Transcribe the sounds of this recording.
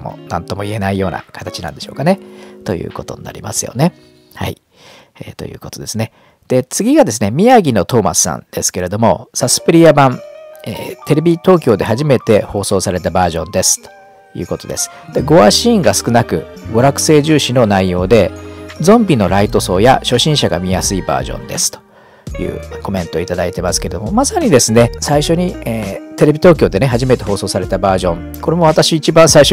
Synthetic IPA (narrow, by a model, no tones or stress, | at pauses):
mo̰nã̰nt̪o̞mo̞ie̞naijo̞ːna̰kḁt̪at͡ɕinãnd̪e̞ɕo̞ːkane̞t̪o̞̰jɯ̟̰ːko̞t̪o̞̰ɲina̰ɾʲḭma̰sɨjo̞̰ne̞ | ha̰ḭ | ḛt̪o̞̰jɯ̟ːko̞t̪od̪e̞sɨne | d̪̥e̞t͡sɨɡʲiɡad̪e̞sɨne̞mʲiaɡʲino̞t̪o̞ːma̰sɨ̥sã̰nd̪̥e̞sɨ̥ke̞ɾe̞d̪o̞mo̞sasɨ̥pɯ̟ɾʲiabãnḛːt̪e̞ɾe̞bʲit̪o̞ːkʲo̞ːd̪e̞haʑime̞t̪e̞ho̞ːso̞ːsaɾe̞t̪abaːʑõ̞nd̪e̞sɨ̥t̪o̥ | jɯ̟̰ːko̞t̪o̞d̪e̞sɨ̥d̪̥eɡo̞aɕĩːŋɡasɨ̥kɯ̟nakɯ̟̰ɡo̞ɾakɯ̟̥se̞ːʑɨːɕino̞naijo̞ːd̪e̞zõ̞mbʲino̞ɾait̪o̞so̞̰ːja̰ɕo̞ɕĩɰ̃ɕaɡa̰mʲijasɨiba̰ːʑõ̰nd̪e̞sɨ̥t̪o̥ | jɯ̟̰ːako̞mẽ̞nt̪o̞it̪ad̪ait̪e̞masɨ̥ke̞ɾe̞d̪o̞mo̞masaɲ̟id̪e̞sɨne̞saiɕo̞ɲ̟ieːt̪e̞ɾe̞bʲit̪oːkʲo̞ːd̪e̞ne̞ɦaʑime̞t̪e̞ho̞ːso̞ːsaɾe̞t̪abaːʑõ̞ŋ | ko̞ɾe̞mo̞β̞at̪aɕiːt͡ɕibãɰ̃saiɕo